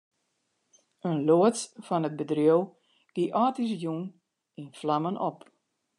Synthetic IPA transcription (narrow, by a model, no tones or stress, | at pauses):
ənloətfɔnət̚bədrjoəw | ɡ̥iʔɔːtis̬jun | inflamənʔɔp